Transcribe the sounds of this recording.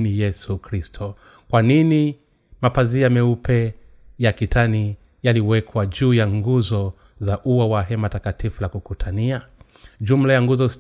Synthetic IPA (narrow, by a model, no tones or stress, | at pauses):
nijɛsukɾistʰɔ | kwanini | mapaziamɛupʰɛ | jakitʰani | jaliwɛkʰwaʄuːjaŋɡuzɔ | zaʔuwawaɦɛmatakatifulakukutʰania | ʄum̩lajaŋɡuzɔs